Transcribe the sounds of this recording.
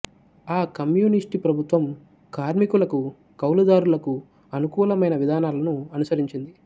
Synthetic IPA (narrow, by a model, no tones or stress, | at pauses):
aːkɐmjuːnisʈipɾɐbʱut̪ʋɐm | kaːɾmikulɐku | kɐwlud̪aːɾulɐku | ɐnukuːlɐmɐjnɐʋid̪ʱaːnaːlɐnuɐnusɐɾiɲt͡ʃind̪i